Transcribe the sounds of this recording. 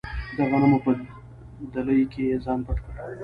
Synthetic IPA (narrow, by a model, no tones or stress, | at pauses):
d̪aɣanamupə | d̪aləjkeezɑnpaʈkəɽ